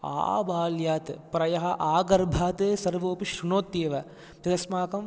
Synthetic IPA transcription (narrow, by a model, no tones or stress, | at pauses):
a̰ːbaːljaːt̪ɨpɾɐjɐɦɐʔaːɡɐɾbʱaːt̪esɐɾʋoːpiʃɾunoːt̪jeːʋɐ | t̪ɐd̪ɐsmaːkɐm